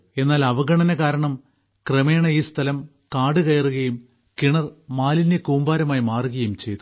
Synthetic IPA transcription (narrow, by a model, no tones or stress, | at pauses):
e̞nːaːlɐʋɐɡɐɳɐnɐkaːɾɐɳɐm | kreme̞ːɳɐiːst̪ʰɐlɐm | kaːɽɨkɐjɐruɣɐjum | kiɳɐrmaːlinːekuːmbaːɾɐmaːjmaːruɣɐjumt͡ɕe̞jt̪ːu